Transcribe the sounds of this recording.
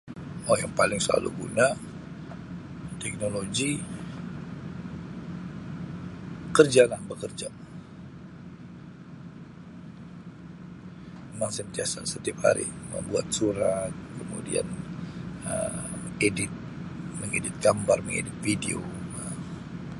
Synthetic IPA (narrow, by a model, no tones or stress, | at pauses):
wojaŋpalɪŋsəla̰lṵɡṵna | t̪ɛk̚noloɡi | kərd͡ʒalahbəkərd͡ʒa | emaŋsɛmt̪iasa̰sət̪iap̚ha̰ɾḭmə̰bua̰t̪̚suɾat̪̚kəmṵdia̰n | əedɪt̪̚məŋedɪt̪̚ɡambarməŋḛdɪt̪̚fidḛo̰a